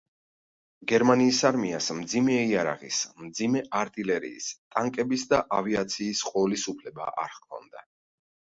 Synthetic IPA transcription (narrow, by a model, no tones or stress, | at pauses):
ɡɛɾmaniːsaɾmiasmd̪zimɛiaɾa̰ʁḭsmd̪zimɛʔaɾt̪ʼilɛɾḭːst̪ʼaŋkʼɛbisd̪aʔaviat̪sʰiːsqʼɔlisupʰlɛba̰ʔa̰ɾkʰɔ̰nd̪a